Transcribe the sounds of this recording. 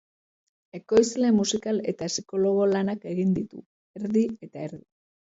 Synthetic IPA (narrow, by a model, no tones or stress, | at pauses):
e̞ko̞jzle̞musikale̞t̪asiko̞lo̞ɣ̞o̞lanake̞ɣind̪it̪ṵ | e̞ɾðie̞t̪ae̞ɾði